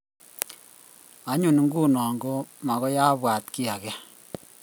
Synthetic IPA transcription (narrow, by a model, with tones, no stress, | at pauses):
a˦ɲu˨n˨ŋɡu˦nɔː˨ŋɡo˦ma˨ɣɔ˦ja˦bwa˨tki˦a˨kɛ˦